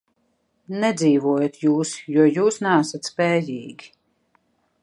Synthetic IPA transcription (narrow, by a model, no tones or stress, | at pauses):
nɛd̪ziːvuɔjat̪juːsjuɔjuːsnaːsat̪spɛːjiːɡʲi